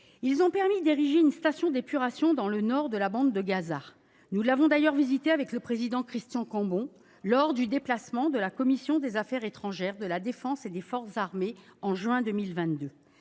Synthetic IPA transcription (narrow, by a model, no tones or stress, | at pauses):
ilzɔ̃pɛʁmid̪eʁiʒeynst̪asjɔ̃d̪epyʁasjɔ̃d̪ɑ̃lənɔʁd̪əlabɑ̃d̪d̪əɡaza | nulavɔ̃d̪ajœʁvizit̪eavɛkləpχezid̪ɑ̃kχist̪jɑ̃kɑ̃bɔ̃ | lɔʁd̪yd̪eplasmɑ̃d̪əlakɔmisjɔ̃d̪ezafɛʁet̪χɑ̃ʒɛʁd̪əlad̪efɑ̃sed̪efɔʁszaʁmeɑ̃ʒɥɛ̃d̪ømilvɛ̃t̪d̪ø